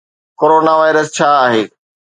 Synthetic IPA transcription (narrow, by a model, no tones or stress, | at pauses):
koːɾoːnaʋaːɪɾəst͡ɕʰaːaːɦeː